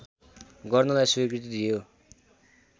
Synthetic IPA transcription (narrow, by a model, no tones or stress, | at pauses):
ɡʌrnʌlajsuikrit̪id̪ʱijo